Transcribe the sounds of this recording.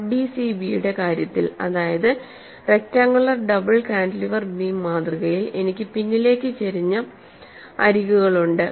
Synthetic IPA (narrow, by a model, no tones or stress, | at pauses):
bisibijuɽe̞kaːɾjɐt̪ːilɐ̰ðaːjɐðɨ | re̞k̚tːaːŋɡɐɭːɐɖɐbɐɭkaːɳɖliʋɐrmiːmːaːd̪riɣɐjile̞nikʲːɨpinːile̞ːkʲːɨt͡ɕeɾiɲːɐ | ɐ̰ɾiɣuɣɐɭuɳɖɨ